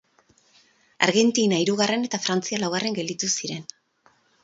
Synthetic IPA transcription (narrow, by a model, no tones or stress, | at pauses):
a̰ɾɣe̞nt̪inaiɾuɣ̞are̞ne̞t̪afɾant͡sialawɣare̞ŋɡe̞ld̪it̪usiɾe̞n